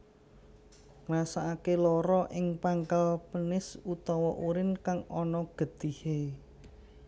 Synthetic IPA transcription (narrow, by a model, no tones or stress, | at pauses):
ŋrasaakelɔɾɔʔɪŋpaŋkalpənɪsut̪ɔwɔʔuɾɪnkaŋɔnɔɡ̥ə̤d̪̥ihe